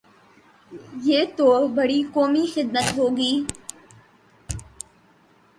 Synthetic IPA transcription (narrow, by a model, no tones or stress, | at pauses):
jeːt̪oːbəɽiːkoːmiːxɪd̪̚mət̪ɦoːɡiː